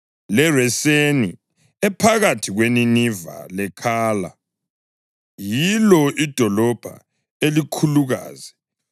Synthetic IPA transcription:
lɛrɛseni | ɛpʰaɣatʰiɣweniniva̰lɛkʰaːla̰ | jilɔid̥ʱɔlɔb̥ʱa̰ | elikʰuluɣa̰ːzɛ

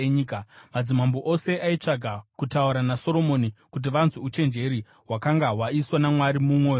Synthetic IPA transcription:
eɲiːkamad͡zimamboʔo̞se̞ʔait͡ʂaɡʱakutauɾanaso̞ɾomo̞nikut̬iʋanzuut͡ʃe̞nd͡ʒe̞ɾi | ɦwakaŋɡawaiswanamwaɾimumwoː

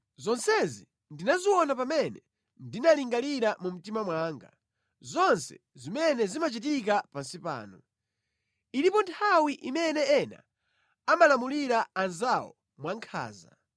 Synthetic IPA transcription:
zɔnsɛzi | ndinaziwɔnapamɛnɛ | ndinaliŋɡaliɾamum̩timamwaŋɡa̰ | zɔnsɛ̰ | zimɛnɛzimat͡ʃit̬ik̬apansipa̰ːnɔ | iɾipɔntʰawiʔimɛnɛɛna̰ | amalamuliɾaːnzawɔ̰ | mwaŋkʰa̰ːza̰

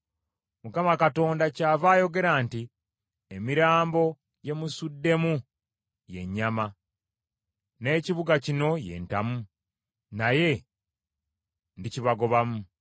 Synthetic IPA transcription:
mukamakato̞ːndacaːvaːjo̞ɡe̞ɾaːnti | emiɾaːmbo̞ | je̞musudːe̞mu | je̞̰ɲːama | ne̞ːciβuɡacino̞je̞̰ːnta̰mu | naje̞ | ndiciβaɡo̞βamu

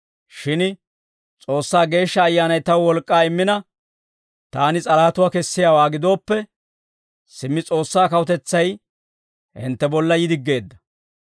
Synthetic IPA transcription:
ʃɪn | t͡sʼo̞ːsːaːɡe̞ːʃːɐːjːaːnɐjt̪ɐwwɔlkʼːaːɪmːɪnɐ | t̪aːnɪt͡sʼɐɾaːt̪ʊwaːkɛsːɪjaːwaːɡɪd̪o̞ːpːɛ | sɪmːɪt͡sʼo̞ːsːaːkɐwɔt̪ɛt͡sːɐj | hɪ̰nt̪ːɛbɔlːɐjɪd̪ɪɡːe̞ːd̪ːɐ̥

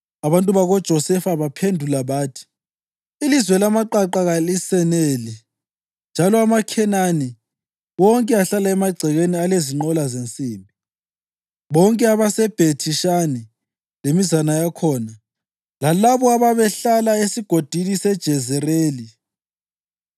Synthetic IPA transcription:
aβantʼuβaɣɔd̥ʒ̥ʱɔsɛfaβapʰendʱulaβaːtʰi̥ | ilizwɛlamaǃaǃaɣalisɛneli | nd͡ʒʱalɔamakʰɛnani | wɔŋkʼɛaɬalaɛmaɡ͡ǀʱɛɣenialeziŋ͡ǃɔlazent͡sʼiːmbʱi | βɔŋkʼɛaβasɛb̥ʱetʰiʃani | lemizanajakʰɔːna | lalaβɔaβaβɛɬalaesiɡ̥ʱod̥ʱinisɛd̥ʒ̥ʱɛzɛreːli

